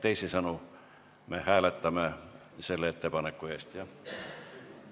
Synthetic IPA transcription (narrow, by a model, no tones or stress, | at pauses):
t̪eisisɑnu | mehæːlæt̪ːæmæ | selːet̪ːepɑnekːueˑst̪jɑ